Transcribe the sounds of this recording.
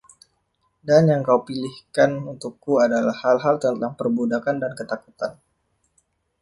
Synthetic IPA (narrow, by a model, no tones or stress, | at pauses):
danjaŋkaupilihkanunt̪ukːuadalahːalɦalt̪ənt̪aŋpərbudakandankət̪akut̪an